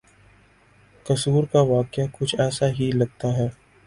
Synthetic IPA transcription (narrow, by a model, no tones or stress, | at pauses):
kɐsuːɾkaʋaːkɪjakʊt͡ʃʰɛːsaɦilɐɡ̚t̪aɦɛː